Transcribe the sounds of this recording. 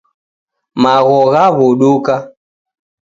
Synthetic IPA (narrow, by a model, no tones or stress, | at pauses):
maɣɔɣaβuɗuka